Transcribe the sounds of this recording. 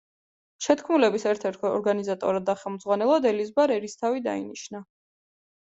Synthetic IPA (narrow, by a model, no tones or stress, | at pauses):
ʃɛt̪ʰkʰmulɛbisɛɾt̪ʰɛɾt̪ʰɛɔ̰ɾɡanizat̪ʼɔ̰ɾad̪ːaχɛlˠmd̪zʁwanɛlˠɔd̪ɛlizbaɾɛɾist̪ʰavid̪a̰ḭniʃna